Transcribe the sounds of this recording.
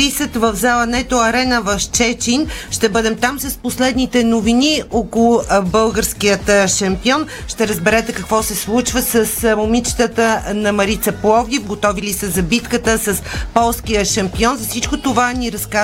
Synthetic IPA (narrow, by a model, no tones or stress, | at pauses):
isət̪vəvzalˠənɛt̪oɐɾɛnəvɐft͡ʃɛt͡ʃinʃt̪ɛbɤd̪ɛmt̪amsɐsposlɛd̪nit̪ɛnoviniokolˠʊbɤlˠɡəɾskiət̪ʃɐmpiɔn | ʃt̪ɛɾəzbɛɾɛt̪ɛkəkvɔsɛslˠut͡ʃvəsəsmomit͡ʃt̪ət̪ənɐmɐɾit̪səplˠɔvd̪ʲifɡot̪ɔvilisəzɐbit̪kət̪əsəspɔlˠskiəʃɐmpiɔnzɐfsit͡ʃkot̪ovaniɾɐska